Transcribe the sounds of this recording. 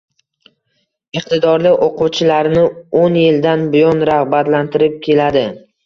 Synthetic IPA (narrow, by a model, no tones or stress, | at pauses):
ɨqt̪ʰɪd̪ɒɾlɪoqʰuwt͡ʃʰɪlaɾnɪonjɪld̪anbʊjɒnɾaʁbat̪lant̪ʰɪɾɪp̚kʲʰe̞lad̪ɪ